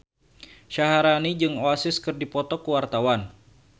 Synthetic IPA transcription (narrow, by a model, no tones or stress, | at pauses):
ʃaɦaɾanid͡ʒɨŋoasɪskɨrdipɔt̪ɔkuwart̪awan